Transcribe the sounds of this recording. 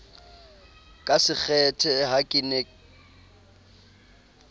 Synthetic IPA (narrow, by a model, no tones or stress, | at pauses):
kʼasɪk͡xʰɛtʰɛɦakʼɪnɛ